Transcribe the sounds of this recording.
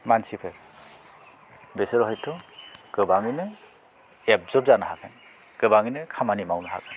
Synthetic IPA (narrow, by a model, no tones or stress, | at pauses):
mansipʰeɾ | besɯɾɔɦɔjtʰɔɡ̥ɯbaŋinɯ | ep̚zɔb̚zanaɦakʰan | ɡ̥ɯbaŋinɯkʰamanimawnɯɦa̰kʰan